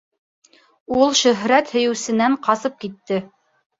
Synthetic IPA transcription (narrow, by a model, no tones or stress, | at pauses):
ulˠʃɵ̆ɦɾæt̪hɵ̆jɘ̆wsɘ̆næɴqɑsɤp̚kit̪ːɘ